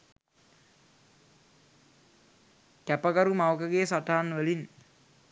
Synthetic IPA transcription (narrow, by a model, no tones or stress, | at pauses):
tæpəkəɾumawkəɡeːsaʈaːnʋəlin